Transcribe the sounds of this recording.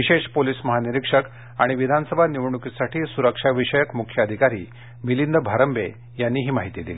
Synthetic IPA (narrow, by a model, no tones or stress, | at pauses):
ʋiɕeʂpoliːsməɦaniɾikʂək | a̰ɽ̃iʋid̪ʱansəbʱaniʋɳukisaʈʰiːsuɾəkʂaʋiʂəjəkmukʰjəəd̪ʱikaɾḭː | milind̪əbʱaɾəmbḛ | janːiːɦiːmaɦit̪id̪ili